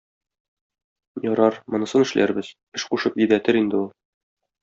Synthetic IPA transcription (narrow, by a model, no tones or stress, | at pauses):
jɒɾɑɾmŏnɤ̆sɤnɘ̆ʃlæ̰ɾbɘz̥ | ɘʃquʃɤpjɘ̆d̪æt̪ɘɾind̪ɘulˠ